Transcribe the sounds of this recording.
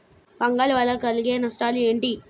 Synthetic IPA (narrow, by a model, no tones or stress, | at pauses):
pɐŋɡaːlʋɐlːɐkɐluɡeːnɐsʈaːlueːɳʈi